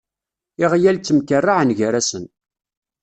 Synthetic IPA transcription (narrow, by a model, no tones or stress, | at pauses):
ɪʁjælt͡sːəmkərːaʕnʝəɾæsən